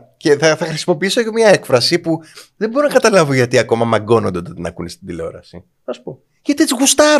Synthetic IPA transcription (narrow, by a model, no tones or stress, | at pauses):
ce̞θɐθɐxɾisimo̞piisoeʝomɲɐe̞kfɾɐsipuðe̞boɾonɐkɐt̪ɐlɐvoʝɐt̪iɐko̞mɐmɐɡo̞nond̪eot̪ot̪inɐkunest̪ind̪ileo̞̰ɾɐsi | θɐsu̥po̞ | ʝɐt̪iet͡siɣust̪ɐɾ